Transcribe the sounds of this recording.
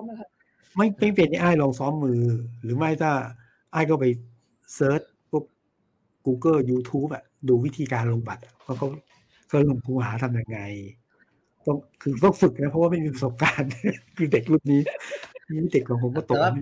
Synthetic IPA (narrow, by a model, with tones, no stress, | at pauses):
ma˥˩jma˥˩jpe˧nːa˧˥˩ʔaː˥˩jlɔː˧ŋsɔː˦˥mːɯː˧ɾɯː˩˦ma˥˩jt̪aː˥˩ | ʔaː˥˩jkʰɔ˥˩pa˧j | sɤː˦˥t̪̚ | ko˦˥˩p̚ | kuː˧kɤː˥˩juː˧t̪ʰuː˦˥p̚ʔa˨˩duː˧wi˦˥t̪ʰiː˧kaː˧nlo˧ŋba˨˩t̪̚a˨˩waː˥˧˩kʰɔ˥˩ | kʰaː˧˩lo˨˧˩ŋkʰuː˧ɦaː˩˦t̪ʰa˧mja˧ŋːa˧j | t̪ɔ˥˩ŋkʰɯː˧t̪ɔ˥˩ŋfɯ˨˩k̚na˦˥pʰɔ˦˥waː˥˩ma˥˩jmiː˧pʰa˧so˨˩p̚kaː˧nkʰɯː˧de˨˩k̚lu˥˩p̚niː˦˥a˧˩miː˦˥˩de˨˩kːɔː˨˩nkʰo˧nkɔː˥˩t̪o˨m˥˩